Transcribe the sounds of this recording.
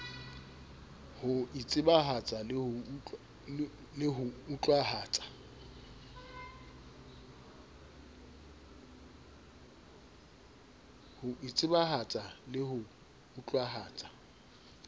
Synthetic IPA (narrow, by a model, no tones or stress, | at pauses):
hʊit͡sʼɪbaɦat͡sʼalʊ | lɪɦʊːt͡ɬʼwaɦaːt͡sʼḁ | hʊʔit͡sʼɪbaɦat͡sʼalɪhʊ | ut͡ɬʼwaɦaːt͡sʼḁ